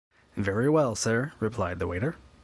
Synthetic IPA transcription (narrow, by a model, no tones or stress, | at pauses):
vɛɹiwɛlˠsɜ˞ɹɨpʰl̥aɪd̪̚ðəweɪɾə˞